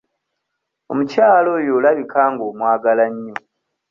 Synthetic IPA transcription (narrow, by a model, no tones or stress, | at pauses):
o̰mucaːlo̞jolaβikaːŋɡoːmwaːɡalaɲːo